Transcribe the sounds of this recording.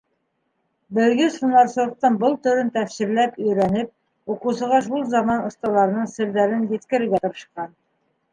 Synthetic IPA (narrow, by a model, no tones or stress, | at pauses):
bɘ̆ɾɡɘsunˠɑɾsŏɾq̚t̪ɤnbɤlˠt̪ɵ̆ɾɘnt̪æfsĭɾlæpɵ̆jɾænɘp̚ | uqusɤ̆ʁɑʃulˠzɑmɑnŏst̪ɑlˠɑɾnɤɴsɘ̆ɾd̪æɾɘnjɘ̆t̪kɘ̆ɾɘ̆ɾɡæt̪ŏɾɤ̆ʃqɑn